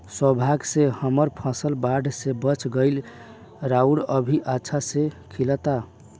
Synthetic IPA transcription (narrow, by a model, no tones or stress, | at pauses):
swəbʱaɡsehəməɾpʰasəlbaɖʱsebət͡ʃʰɡəɪl | ɾauɽəbʱiʔətːʃʰasekʰilət̪a